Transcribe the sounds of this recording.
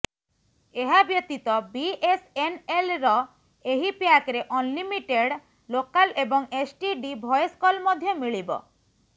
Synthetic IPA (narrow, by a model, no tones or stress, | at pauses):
eɦabjɔt̪it̪ɔbiesenelɾɔ | eɦipjakɾeʔɔnlimiʈeɽ | lokalebɔŋesʈiɖibʱɔjɔskɔlmɔd̪ʱjɔmiɭibɔ̰